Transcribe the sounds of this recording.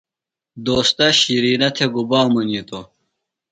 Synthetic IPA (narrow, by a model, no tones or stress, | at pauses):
d̪oːst̪ɐɕiɾiːnɐt̪ʰeɡubaːmɐnit̪o